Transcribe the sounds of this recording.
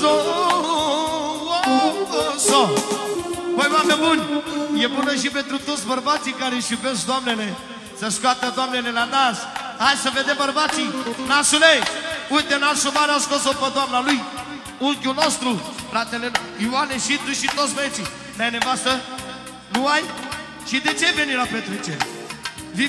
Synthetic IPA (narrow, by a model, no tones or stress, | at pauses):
ɔ | sɔ | pojmamemuɲʲjepunəʃibet̪ɾut̪osbɐɾbat͡ʃ̪ikaɾeʃibesd̪amnele | sɐʃkat̪əd̪amnelenanas | ajsɐved̪ɛbɐɾbat͡ʃinasuleuj̪̚t̪ːenasomaɾeaskosopəd̪oamnaluj | ulkʲunost̪ɾufɾat̪ele | ianeʃit̪uʃit̪ot̪sbəet͡ʃi | najnevast̪ə | nuaj | ʃid̪et͡ʃevenilapɾet̪ɾet͡ʃe | vi